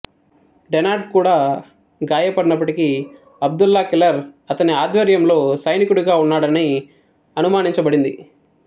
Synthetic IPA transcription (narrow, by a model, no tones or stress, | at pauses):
ɖenaːɾʈ̚kuːɽaː | ɡaːjɐpɐɽinɐp̬ːɐʈiki | ɐb̚d̪ulːɐkilɐɾɐt̪ɐniaːd̪ʋɐɾjɐmlo̞ːsɐjnikuɽuɡaːunːaːɽɐni | ɐnumaːniɲt͡ʃɐbɐɽind̪ḭ